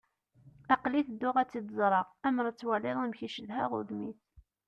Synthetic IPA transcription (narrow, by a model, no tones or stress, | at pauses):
ɑqliθd̪ːʊʁæt͡sːid̪əzˤɾˤəʁæmɾˤət͡sːwælɪðˤimçiʃəðɦæʁʊ̰ðmiθ